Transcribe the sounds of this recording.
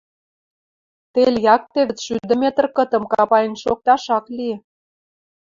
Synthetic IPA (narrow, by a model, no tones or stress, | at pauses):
t̪elʲjɑk̚t̪eβə̆t͡sʃyd̪ə̆mʲet̪ə̆rkə̆t̪ə̆mkɑpɑjənʃok̚t̪ɑʃɑklie